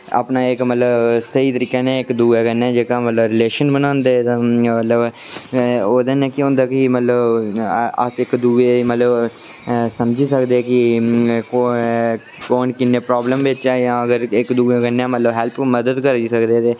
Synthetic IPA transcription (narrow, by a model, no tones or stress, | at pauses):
a̰ːpnaːɪkmət̪ləbsəiːt̪əɾiːkeːnẽːɪkd̪uːeːkənːɛːd͡ʒeːkãːmət̪ləbɾɪleːʃənbənãːnd̪eːt̪ãmət̪ləb | oːd̪eːnɛ̃ːkɪʊ̃nd̪aːkɪimət̪ləb | ə̰sɪkd̪uːeːmət̪ləb | səmd͡ʒiːsəkd̪eɛːkɪko | koːnkɪnːeːpɾaːbləmbɪt͡ʃaːjãːəɡəɾɪkd̪uːeːkənːɛ̃ːmət̪ləbɦɛlpməd̪əd̪kəɾd͡ʒiːsəkd̪eːt̪eː